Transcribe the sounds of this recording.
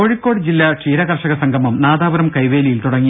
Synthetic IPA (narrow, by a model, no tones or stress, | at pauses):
oːɻikːo̞ːɽɨd͡ʑilːɐʂiːɾɐɣɐrʂɐɣɐsɐŋɡʱɐmɐmnaːd̪aːʋɐɾɐmkɐjʋeːlijilt̪uɽɐŋːi